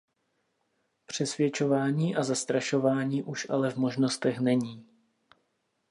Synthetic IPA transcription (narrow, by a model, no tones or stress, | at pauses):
pr̝̥ɛsvjɛt͡ʃo̞vaːɲiːʔazast̪ɾaʃo̞vaːɲiːʔuʃʔa̰lɛvmo̞ʒno̞st̪ɛxnɛɲiː